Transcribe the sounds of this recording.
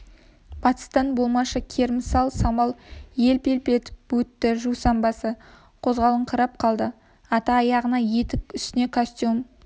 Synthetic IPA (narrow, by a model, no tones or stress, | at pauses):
b̥ɑt̪ə̥st̪ɑnbo̞lˠmɑʃɑkʲʰe̞ɾmɪsɑlˠsɑmɑlˠje̞lpe̞lpe̞t̪bɵt̪ːɪʒuwsɑmbɑsə | qʰo̞zʁɑlˠəɴqʰəɾɑp̚qʰɑlˠd̪ə | ɑt̪ɑːjɑʁənɑje̞t̪ɪkʲʏst̪ɪne̞kʰosʲt̪jum